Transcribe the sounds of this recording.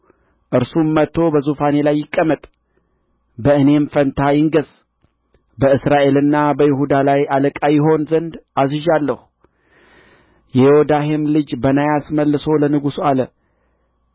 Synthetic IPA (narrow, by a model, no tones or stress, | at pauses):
ʔɨɾsumːət̪ʰːo̞bəzufane̞lajːɪkʼːəmət̪ʼ | bəɨne̞mfənt̪ʰajɪŋɡəz̥ | bəɨsɾaʔe̞lɨnːabəjɪɦud̪alajaləkʼajɪɦo̞nzənd̪azɨʒalːəhu | jɛjɛhod̪ahemlɨd͡ʒbənajasməlːɨso̞lənɨɡusualə